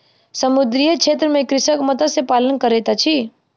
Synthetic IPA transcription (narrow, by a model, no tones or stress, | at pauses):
səmʊd̪ɾijekʃʰeːt̪ɾəmẽkɾɪsəkmət̪asepaːlənkəɾeːt̪at͡ʃʰiː